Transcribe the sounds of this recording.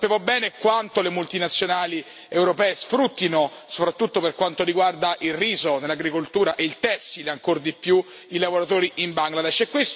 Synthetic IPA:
sapjaːmobɛːnekwant̪olemult̪inat̪sːjonaːli | ewɾopɛːesfɾut̪ːinosopɾat̪ːut̪ːoperkwant̪oɾiɡward̪aʔilriːzonelːaɡɾikolt̪uːɾaʔeilt̪ɛsːileaŋkord̪ipːju | ilavoɾat̪oːɾiʔimbaŋɡlad̪ɛʃɛkːwest̪

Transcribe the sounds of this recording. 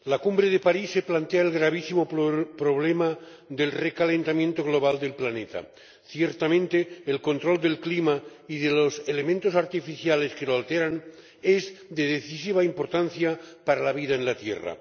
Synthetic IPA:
lakumbɾeð̞epaɾisːeplant̪eaelɣɾaβ̞isimo̞pɾo̞β̞lema | ðe̞lrekalent̪amjent̪o̞ɣ̞lo̞β̞ald̪e̞lplane̞t̪a̰ | θjeɾt̪amẽ̞nt̪eːlko̞nt̪ɾo̞ld̪e̞lklimaiðeloselemẽnt̪osaɾt̪ifiθjale̞skeloalt̪eɾan | e̞zðe̞ðeθis̬iβ̞aimpo̞ɾt̪anθjapaɾalaβ̞iðaenlat̪jḛra̰

